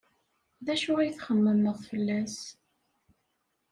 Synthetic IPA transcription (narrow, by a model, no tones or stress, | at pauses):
ðæʃʊʁæjθχəmːənːəðˤfəlːæs